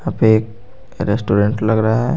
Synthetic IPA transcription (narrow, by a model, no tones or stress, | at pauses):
apeek̚ | ɾesʈuɾeɳʈləɡɾaaɦɛ